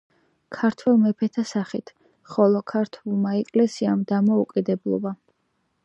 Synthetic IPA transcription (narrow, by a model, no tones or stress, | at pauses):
kʰaɾt̪ʰwɛlˠmɛpʰɛt̪ʰasaχit̪ʰ | χɔlˠɔkʰaɾt̪ʰwulˠmaɛkʼlɛsiamd̪amɔukʼid̪ɛblˠɔ̰ba